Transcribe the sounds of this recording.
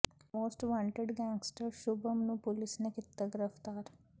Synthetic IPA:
mosʈʋãɳʈeɖɡæ̃ŋɡsʈəɾɕubʱəmnũːpulisnekit̪ːəɡɾəʋt̪aɾ

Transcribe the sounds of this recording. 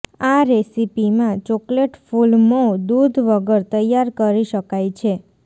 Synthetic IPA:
aɾesipimãt͡ʃɔkleʈfulmod̪ud̪ʱʋəɡəɾt̪əjːaɾkəɾiʃəkajt͡ʃʰe

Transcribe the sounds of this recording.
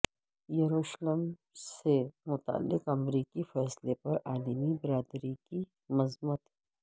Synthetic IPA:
jɐɾuːʃləm | semʊt̪a̰ə̰lːɪqɐmɾiːkifɛːslepɐɾaːlmibɪɾaːd̪ɾiki | mɐzmət̪ɦɛ

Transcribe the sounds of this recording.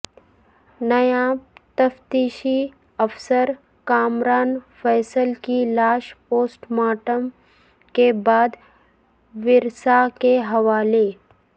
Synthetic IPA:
nɐjãːt̪ɐft̪iːʃi | ɐfsəɾ | kaːmɾaːnfɛːsəlkilaːʃpoːsʈmaːʈəm | kebaːd̪ | ʋɪɾsakeɦɐʋaːle

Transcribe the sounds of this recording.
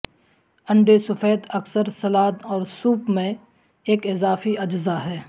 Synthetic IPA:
ɐ̃ɳɖesʊfeːt̪ɐksəɾsɐlaːd̪ɔːɾsuːpmẽ | eːkɪzaːfiʔɐd͡ʒzaɦɛː

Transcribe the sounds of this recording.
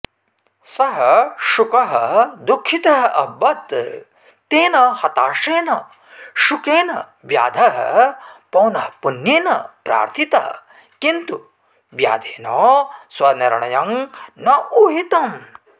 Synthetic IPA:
sɐɦɐʃukɐɦɐd̪ukʰːit̪ɐɦɐʔɐbɐt̪ | t̪eːnɐhɐt̪aːʂeːnɐ | ʃukeːnɐ | ʋja̰ːd̪ʱɐɦɐ̰pɐwnɐɦpunjeːnɐpɾa̰ːɾt̪ʰit̪ɐɐ | kint̪u | ʋja̰ːd̪ʱeːnɔːswɐniɾɳɐjɐŋnɐʔuɦit̪ɐm

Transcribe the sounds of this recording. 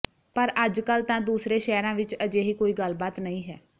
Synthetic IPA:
pəɾəd͡ʒkəlt̪ãːd̪uːsɾeːʃɛːɾãːʋɪt͡ʃəd͡ʒeːɦiːkoːiːɡəlbaːt̪nəĩːɦɛː

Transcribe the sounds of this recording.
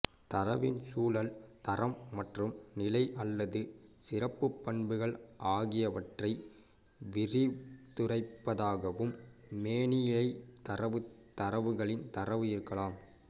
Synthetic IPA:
t̪ɐɾɐʋɪnsuːlɐlt̪ɐɾɐmːɐʈrɯmnɪlɐɪʔɐlːɐðɯsɪrɐpːɯpːɐɳbɯɣɐɭʔaːɣɪjɐʋɐʈrɐɪ | ʋɪrɪt̪ʊrɐɪpːɐðaːɣɐʋɯmːeːɳɪjɪɭɐɪt̪ɐɾɐʋɯt̪ːɐɾɐʋɯɣɐɭɪnt̪ɐɾɐʋɯɪɾɯkːɐɭaːm

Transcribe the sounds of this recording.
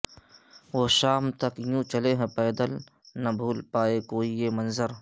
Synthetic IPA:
ʋoʃaːmt̪ɐkjũt͡ʃɐleɦɛ̃pɛːd̪əl | nɐbʱuːlpaːekoːijemɐnzəɾ

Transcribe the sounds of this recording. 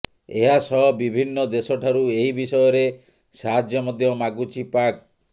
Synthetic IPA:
eɦasɔɦbibʱinːɔd̪esɔʈʰaɾueɦibisɔjɔɾe | saɦad͡ʒjɔmɔd̪ʱjɔmaɡut͡ʃipak

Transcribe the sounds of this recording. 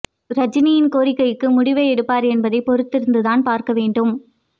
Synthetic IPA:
ɾɐd͡ʒɪnijɪnkoːɾɪkːɐɪkːɯmʊɽɪʋɐɛɽɯpːaːɾɛnbɐðɐɪpɔɾɯt̪ːɪɾɯnd̪ɯðaːnpaːɾkɐʋeːɳɖɯm

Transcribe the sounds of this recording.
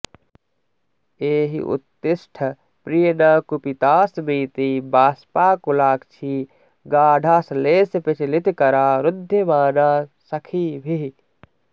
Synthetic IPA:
eːɦḭʔṵt̪ːɪsʈʰə | pɾijənɐkupit̪aːsmiːt̪ibaːspaːkulaːkt͡ʃʰi | ɡaːɖʱaːsleːspet͡ʃlit̪kɐɾaːɾʊd̪ʱːjemaːnaːsɐkʰiːbʱi

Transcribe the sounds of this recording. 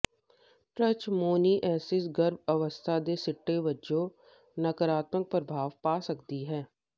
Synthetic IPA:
ʈɾət͡ʃmoːniːʔɛːsɪsɡəɾbəʋəst̪ʰad̪eːsɪʈːeːʋəd͡ʒõː | nəkəɾaːt̪mək̚pɾəbʱaːʋpaːsəkd̪iɦɛː

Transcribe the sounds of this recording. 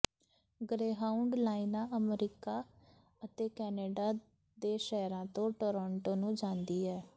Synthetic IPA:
ɡɾeːɦaːʊɳɖlaːinaːʔəmɾiːkaː | ət̪eːkɛːneːɖaː | d̪eːʃɛːɾãːt̪õːʈoːɾɔ̃ːɳʈoːnũːd͡ʒãːnd̪iːɦɛː

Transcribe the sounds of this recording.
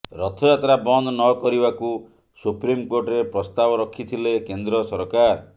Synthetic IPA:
ɾɔt̪ʰɔjat̪ɾabɔnd̪nɔkɔɾibaku | supɾimkoɾʈɔɾepɾɔst̪abɔɾɔkʰːit̪ʰilekend̪ɾɔsɔɾkaɾ

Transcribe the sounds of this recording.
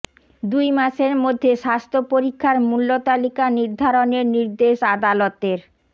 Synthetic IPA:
d̪ujmaʃeɾmod̪ʱːeʃast̪ʰopoɾikʰːaɾmulːot̪alikaniɾd̪ʱaɾoneɾniɾd̪eʃad̪alot̪eɾ

